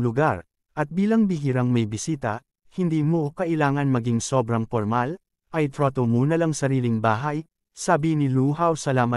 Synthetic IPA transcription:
lʊɡaɾ | ʔɐt̪̚biːlɐŋbiɡɪɾɐŋmɐjbɪsiːt̪ɐ | hɪnd̪iːmo̞kɐʔɪlaːŋɐnmɐɡiŋso̞bɾɐŋpoɾmal | ʔɐjt̪ɾot̪omunɐlɐŋsɐɾiːlɪŋbaːɦɐj | sabinɪluːɦɐwsɐlaːmɐ

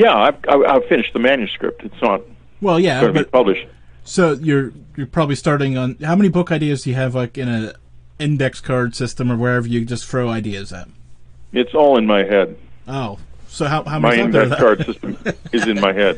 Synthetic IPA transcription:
jæaɪva̰ɪa̰ɪv̥fɪ̃nɨʃ̚ðɨmæ̃njʉskɹɪ̰p̚tʰɨtsnət̚ | wɛlˠjæõnəbʌipʰʌblɨʃt̚ | soʊjə˞jə˞pʰɹ̥ɑbəblistɑɹɾɪ̃ŋə̃nhaʊmɛnibʊkaɪdiɨzjɨːvlaɪkɨ̃ñɨ̃ | ɪ̃ndɛkskʰɑɹd̥sɪstə̃mə˞wə˞ɛvə˞jɨd͡ʒʌstθɹoʊaɪdiɨzɨ̰t̚ɨtsɔlˠə̃nmaɪhɛd̥̚oʊsoʊɦaʊhaʊmaɪɪ̃ndɛðkʰɑɹd̥sɪstə̃mɨzɨ̃nmaɪhɛd̥̚

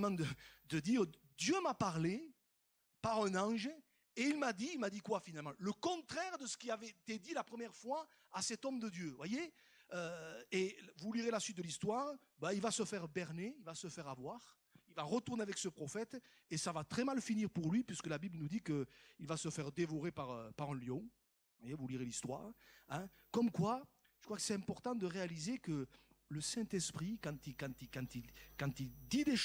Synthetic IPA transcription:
mɑ̃d̪əd̪əd̪iʁ | d̪jømapaʁle | paʁɛ̃nɑ̃ʒ | eilmad̪iilmad̪ikwafinalmɑ̃ləkɔ̃t̪χɛʁd̪əsə̥kʲiavɛt̪ed̪ilapχəmjɛʁfwa | asɛt̪ɔmd̪əd̪jøvwaje | øevuliʁelasɥit̪̚d̪əlist̪waʁ | bailvasəfɛʁbɛʁneilvasəfɛʁavwaʁ | ilvaʁət̪uʁneavɛksəpχɔfɛt̪ | esavat̪χɛmalfiniʁpuʁlɥipɥisə̥kəlabiblənud̪ikəilvasəfɛʁd̪evɔʁepaʁøpaʁɛ̃ljɔ̃ | vwajevuliʁelist̪wa̰ʁɛ̃ | kɔmkwa | ʒ̥ə̥kχwakə̥sɛt̪ɛ̃mpɔʁt̪ɑ̃d̪əʁealizekə | ləsɛ̃nt̪ɛspχikɑ̃t̪ikɑ̃t̪ikɑ̃t̪ilkɑ̃t̪ild̪id̪eʃ

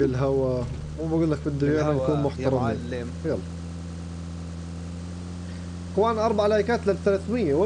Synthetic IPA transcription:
ɪlɦawa | mubaɡuːlːakfɪd̪ːʊjaːnanakuːnmʊħt̪ɑɾˤɑm | el | qwaːnʔɑɾˤbaʕalajkaːt̪lalθalaθmɪjːawa

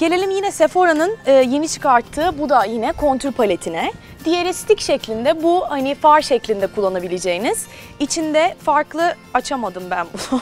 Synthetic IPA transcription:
ɟ̥e̞lʲe̞lʲimjinɛse̞fo̞ɾanɯnɯːje̞nit͡ʃʰɯ̥kʰaɾt̪ʰːɯːbud̪ajinɛkʰo̞nt̪ʰylʲpʰalʲet̪ʰinɛ | d̪ijeɾist̪ʰicʃɛclʲind̪ɛbuhanɪfaɾʃɛclʲind̪ɛkʰulˠːanabilʲed͡ʒe̞jiniz̥ | it͡ʃʰind̪ɛfaɾklˠɯ | at͡ʃʰamad̪ɯmbænbu

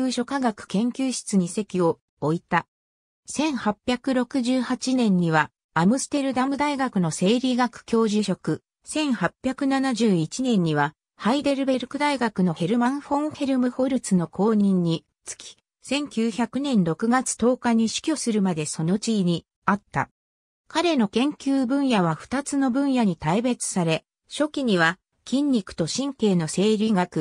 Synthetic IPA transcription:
ɯːɕo̞kaɡakɯ̟̥kẽ̞ŋkʲɨːɕi̥t͡sɨɲ̟ise̞kʲio̞ | oit̪a | sẽ̞ɰ̃hapʲjakɯ̟ɾo̞kɯ̟ʑɨːhat͡ɕinẽ̞ɲ̟ːiβa | amɯ̟sɨ̥t̪e̞ɾɯ̟d̪amɯ̟d̪aiɡakɯ̟no̞se̞ːɾʲiːɡakɯ̟̥kʲo̞ːʑiɕo̞kɯ̟ | sẽ̞ɰ̃hapʲːjakɯ̟nanaʑɨːit͡ɕinẽ̞ɲ̟ːiβa | haid̪e̞ɾɯ̟be̞ɾɯ̟kɯ̟d̪aiɡakɯ̟no̞he̞ɾɯ̟mãɰ̃ɸõ̞ŋhe̞ɾɯ̟mɯ̟ho̞ɾɯ̟t͡sɨno̞kʰo̞ːɲ̟ĩɲ̟ːi | t͡sɨ̥kʲi̥ | sẽ̞ŋkʲɨːçakɯ̟nẽ̞nɾo̞kɯ̟ɡat͡sɨ̥t̪o̞ːkaɲ̟iɕi̥kʲo̞sɨɾɯ̟mad̪e̞so̞no̞t͡ɕiːɲ̟i | at̪ːa̰ | kaɾe̞no̞kẽ̞ŋkʲɨːbɯ̟̃ɰ̃jaβ̞aɸɯ̟̥t̪at͡sɨno̞bɯ̟̃ɰ̃jaɲ̟it̪aibe̞t͡sɨ̥saɾe̞ | ɕo̞kʲiɲ̟iβa | kʲĩɲʲːikɯ̟̥t̪o̞ɕĩŋke̞ːno̞se̞ːɾʲiɡakɯ

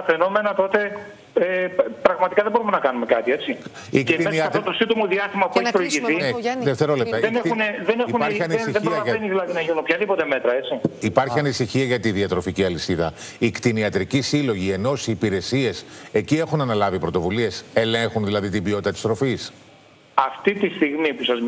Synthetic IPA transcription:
t̪ɐfeno̞menɐt̪o̞t̪e̞ | epɾɐɣmɐt̪i̥kɐðebo̞ɾumenɐkɐnume̞kɐt̪ie̞t͡si | iketesnɐɐt̪ot̪osid̪omoðiɐst̪imɐpueçʲpɾoiʝiθineðeft̪e̞ɾo̞lept̪ɐenexuneðeneixunɐɾiɐnisðeboiɐɐɐeniðilɐðinɐʝinunopçɐðipo̞t̪e̞me̞t̪ɾɐet͡ssiipɐɾçiɐnisiçiɐʝɐt̪iðiɐt̪ɾo̞ficiɐlisiðɐ | ikt̪iniɐt̪ɾicisilo̞ʝie̞no̞siːpiɾe̞sie̞se̞cie̞xunɐnɐlɐvipɾo̞t̪o̞vulie̞se̞lẽ̞ŋxunðilɐðit̪ibio̞t̪it̪ɐt̪ist̪ɾo̞fis | ɐft̪it̪ist̪iɣmipusɐz

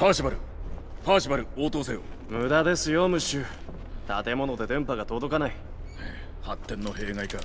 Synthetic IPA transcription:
paːɕibaɾɯ̟paːɕibaɾɯ̟oːt̪o̞ːseːo | mɯ̟d̪ad̪e̞sɨjo̞mɯ̟ɕɨː | t̪at̪e̞mo̞no̞d̪e̞d̪ẽ̞mpaɡat̪o̞d̪o̞kanai | e | hat̪ːẽ̞nːo̞he̞ːŋaika

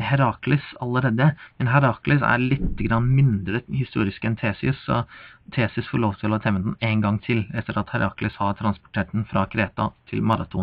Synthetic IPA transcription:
hæɾɑːklɪsɑləɾeːd̪əmɛnɦæɾɑːklɪsæ̰ɾɭɪt̪ːəɡɾɑnːmɪnd̪ɾəhɪst̪uːɾɪskɛnt̪ʰeːsɪssɔt̪ʰeːsɪsfɔɭoːʋt̪ʰɪlɔt̪ʰɛʋənd̪ɛneɪnɡɑŋt̪ʰɪlɛft̪ːəɾɑt̪hæɾʔɑ̰ːklɪshɑɾt̪ʰɾɑnspʊ̥ʈʰeːʈ̚d̪nfɾʔɑkʰɾeːt̪ɑt̪ʰɪ̰lmɑɾɑ̰t̪ʰʊn

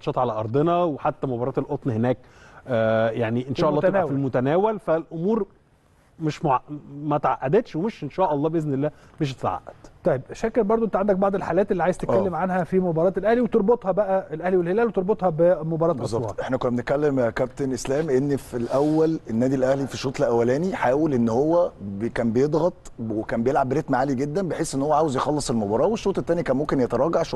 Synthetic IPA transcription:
ɑt̪ʃɑːt̪ˤʕalæʔɑɾˤd̪ˤenæweħat̪ːæmobɑɾˤɑːt̪elʔot̪ˤnhenæːkː | jaʕniʔenʃæːʔɑlˤːɑːnæfielmot̪ænæːwælfælʔomuːɾ | meʃmoʕaʔmæt̪ʕaʔːæd̪et̪ʃwemeʃʔenʃæːʔɑlˤːɑːbeʔeznelːæː | meʃ̬t̪t̪ʕa̰ʔːæd̪̥t̪ˤɑjebʔæʃækːelbɑɾˤd̪ˤoʔent̪ʕand̪æk̚bɑʕd̪ˤelħaːlæːt̪elːiːʕaːjzt̪eælːemʕanhæfimobɑɾˤɑːt̪elʔæhliwet̪oɾˤbot̪ˤhɑbæʔæelʔæhliwelhelæːlwet̪eɾbot̪hɑbemobɑɾˤɑːbt̪ʔɑszˤːɑwɑ̰ːʔeħnækonːæbenet̪̚kælːemkæb̚t̪enʔeslæːmʔenːfilʔæwːælenːæːd̪ilʔæhlifiʃːoːt̪ˤlʔæwːælæːniħaːwelʔenːhowːæbkæːmbejed̪ˤɣɑt̪ˤwekæːmbejelʕabːeɾet̪maʕaːliɡed̪ːæmbejħeːsʔenːhowːæʕaːwezjexɑlːɑsˤelmobɑːɾˤɑːweʃːoːt̪ˤet̪ːæːnikæːnmomkenjæt̪ɑɾˤɑːɡaʕʃ

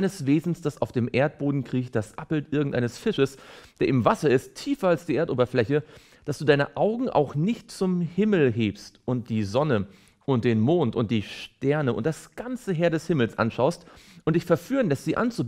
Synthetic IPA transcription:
nəsv̥eːzn̩sd̥asaʊfd̥eːmʔeːɐt̚b̥oːdn̩kʁ̥iːçd̥asʔa̰pl̩tʔɪɐɡŋ̩tʔaɪnəsfɪʃəsd̥eːɐʔɪmvasɐɪstʰːiːfɐalsd̥iːʔeːɐtoːbɐflɛçə | d̥asd̥uːdaɪnəʔaʊɡŋ̩ʔa̰ʊxnɪçtt͡sʊmhɪml̩ɦeːpstʊnt̚d̥iːzɔnə | ʔʊnt̚d̥eːnmoːntʊnt̚d̥iːʃtɛɐnəʔʊ̰nt̚d̥asɡ̥ant͡səɦeːɐdɛshɪml̩sʔa̰nʃaʊstʔʊntd̥ɪçfɛɐfyːnlɛstz̥iːʔa̰nt͡su

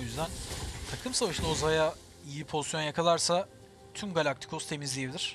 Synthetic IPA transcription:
jyzd̪ænt̪ʰakʰɯmsavaʃɯlˠozaja | ijipʰo̞zisjo̞njakʰalˠaɾsa | t̪ʰymɡalʲak̚t̪ʰi̥kʰo̞st̪ʰe̞mizlʲijebid̪ʲiɾ̥

